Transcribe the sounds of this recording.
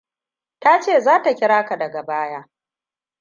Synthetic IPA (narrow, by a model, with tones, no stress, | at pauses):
ta˦t͡ʃeː˦˨zaː˦ta˨kʲɪ˦ɽaː˦ka˨dɐ˨ɡa˨baː˦jaː˦